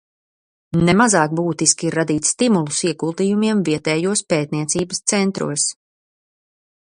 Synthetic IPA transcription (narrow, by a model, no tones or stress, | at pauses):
nɛmazaːk̚buːt̪iskʲiiɾːad̪iːt̪st̪imulˠusiɛɡulˠd̪iːjumiɛmviɛt̪ɛːjuɔspeːt̪̚niɛt̪siːbəst̪sɛnt̪ɾṵɔs